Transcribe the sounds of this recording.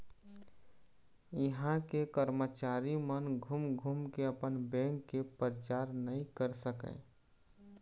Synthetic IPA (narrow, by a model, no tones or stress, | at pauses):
jɪɦãkekəɾmət͡ʃaːɾimənɡʱumɡʱumkeəpənbɛ̃ŋkːepəɾət͡ʃaːɾnəĩkəɾsəkə̰̃